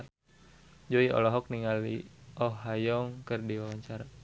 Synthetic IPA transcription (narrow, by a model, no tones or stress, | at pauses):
d͡ʒoiɔ̰lɔɦɔk̚niŋalḭʔɔɦːajɔŋkərdiwawaɲt͡ʃaɾa